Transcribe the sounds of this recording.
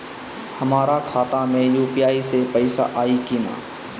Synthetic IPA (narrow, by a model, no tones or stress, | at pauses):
həmaːɾakʰaːt̪ãmẽjuːpijaːisepəɪsa̰ʔaːikiːna̰ː